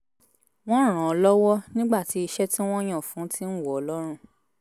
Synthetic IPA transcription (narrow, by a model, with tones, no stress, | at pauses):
w̃ɔ̃˦˨ɾ̃ã˨ɔ˨˦lɔ˦wɔ˦nĩ˦ɡ͡ba˦˨ti˨˦i˧ʃɛ˦ti˦w̃ɔ̃˦j̃ã˦˨fũ˨˦ti˦n̩˦˨wɔ˨ɔ˨lɔ˦ɾ̃ũ˦˨